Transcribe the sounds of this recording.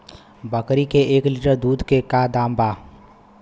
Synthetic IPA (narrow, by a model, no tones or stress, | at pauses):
bəkɾikeʔeːklɪʈəɾd̪uːd̪ʱkekaːd̪aːmbaː